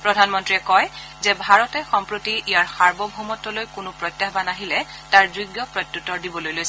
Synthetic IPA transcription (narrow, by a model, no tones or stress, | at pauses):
pɹɔdʱanmɔntɹiɛkɔj | zɛbʱaɹɔtɛxɔmpɹotiʔijaɹxaɹbɔbʱumɔtːɔlojkʊnʊpɹɔjtːjaxbanaɦilɛ | taɹzuɡjɔpɹɔjtːutːɔɹdibɔlojlojsɛ